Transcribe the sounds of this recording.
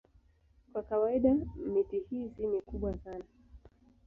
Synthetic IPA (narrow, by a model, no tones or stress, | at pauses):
kwakawaiɗamitihiːzinikuɓwasana